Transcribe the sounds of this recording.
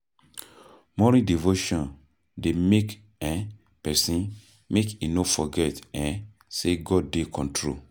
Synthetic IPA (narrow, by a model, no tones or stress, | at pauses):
mɔɾidivoʃɔ̃n | demek | ɛ̃ | pɛsĩn | mekinofɔɡɛtɛ̃ | seɡɔd̚dekʰɔ̃ntʰɹo̰